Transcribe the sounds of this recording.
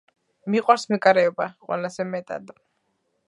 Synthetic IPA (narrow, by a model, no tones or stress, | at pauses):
miqʼwaɾsmɛkʼaɾɛɔbaqʼwɛ̰lazɛmɛt̪ʼa̰d̪